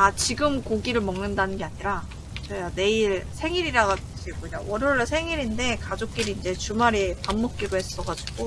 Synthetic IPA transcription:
at͡ɕiɡɯmkoɡiɾɯɭmʌŋnɯndanɯnɡe̞aɲiɾa | t͡ɕʌjane̞iɭsʰe̞ŋiɾiɾaɡat | ɕʰiɡoɲawʌɾjoɭːsʰe̞ŋiɾindekad͡ʑok̚k͈iɾiːnd͡ʑe̞t͡ɕumaɾipamːʌk̚k͈iɡohe̞s͈ʌɡad͡ʑiɡ̥o

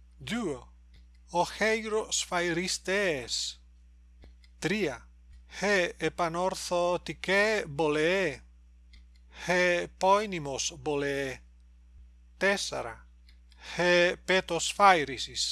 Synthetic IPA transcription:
d͡ʒuo | oxejɾosfajɾist̪es | t̪ɾia | heːpanoɾθot̪ikebolee | hepɔjnimosbolee | t̪esa̰ɾa̰ | hepet̪osfajɾisis

